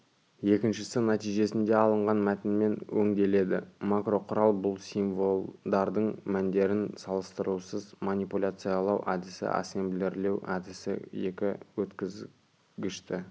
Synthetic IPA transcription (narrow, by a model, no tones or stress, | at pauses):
je̞kʲɪnʃɪsɪnɑt̪ijʒe̞sɪnd̪e̞ɑlˠəɴʁɑnmæt̪ɪnme̞nwɵŋd̪e̞le̞d̪ɪmakro̞qʰʊɾɑlˠbʊlˠsiɱvo̞lˠd̪ɑɾd̪əɴmænd̪e̞ɾɪnsɑlˠəst̪əɾusəzmanʲipulʲat̪sɨjɑlˠɑwʔæd̪ɪsɪ̰ʔɑ̰semblʲeɾle̞wæ̰d̪ɪsɪ̰je̞kʲɪwɵt̪kʲɪz | ɡʲɪʃt̪ɪ